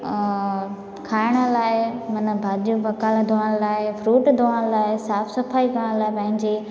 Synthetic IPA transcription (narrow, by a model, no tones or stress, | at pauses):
kʰaːɪɽ̃ə̆laːɪmɐnə̆bʱaːdijubɐkaːld̪ʱoʋaɽ̃laːɪfɾuːʈd̪ʱoʋaɽ̃laːɪsaːfsɐfʰaːikəɽ̃laːɪpɐ̃ɦɪ̃ɲd͡ʑe